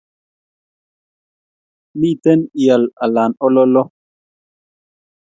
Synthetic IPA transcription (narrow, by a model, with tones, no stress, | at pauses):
mi˦˨tɛ˦ni˨ja˨la˨la˨nɔ˦lɔ˦lɔ˦